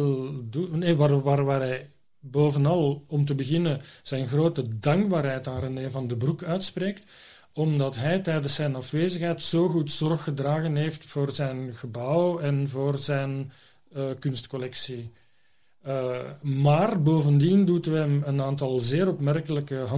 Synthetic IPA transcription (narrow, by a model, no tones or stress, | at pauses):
lduneʋaʋaːrʋaːrɦɛj | boːvənɑlˠɔmt̬əbəɣɪnəz̥ɛjnɣroːtədɑŋɡbaːɾɦɛjtaːɾəneːvɑndəbrukœːtspreːkt | ɔmdɑtɦɛjtɛjdəsːɛjnɑfʋeːzəxɦɛjtsoːɣutsɔrxːədraːɣənɦeːftfoːrzɛjnɣəbɑwɛnvoːrzɛjn | əkʏnstkɔlɛksi | maːrboːvəndindutɛmənaːntɑlˠzɪːɾɔpmɛrkələkəɦɑ